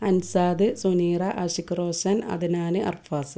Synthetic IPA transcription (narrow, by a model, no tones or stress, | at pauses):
ɐnsaːd̪ɨsuniːrɐʔɐɕikːroːsɐnɐ̰ðɨnaːnɨʔɐ̰rfaːsɨ